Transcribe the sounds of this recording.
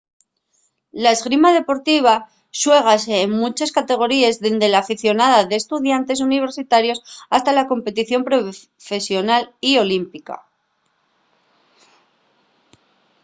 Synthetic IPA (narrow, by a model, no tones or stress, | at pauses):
laezɣɾimaðe̞po̞ɾt̪iβ̞a | swe̞ɣ̞aseːŋmut͡ʃeskat̪e̞ɣ̞o̞ɾiezðend̪e̞laːfiθjo̞naðaðe̞ːst̪uðjant̪e̞s̬uniβ̞e̞ɾsit̪aɾjo̞sast̪alako̞mpe̞t̪iθjo̞mpɾo | fe̞sjo̞nalio̞limpika̰